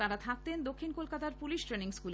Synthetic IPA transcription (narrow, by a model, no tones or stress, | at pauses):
aɾat̪ʰak̚t̪end̪okʰːinkolkat̪aɾpuliʃʈɾeniŋskule